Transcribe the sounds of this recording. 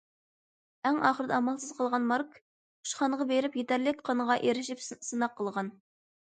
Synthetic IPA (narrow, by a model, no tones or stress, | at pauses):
ɛŋɑːχəɾɨd̪ɛɑmɑlˠsɨz̥qʰəlˠʁɑnmɑɾkʰ | u̥ʃχɑnəʁɑbeɾɪpjet̪æɾlɪk̚ʲqʰɑnəʁɑʔeɾɪʃɪpsɨnɑqʰːəlˠʁɑn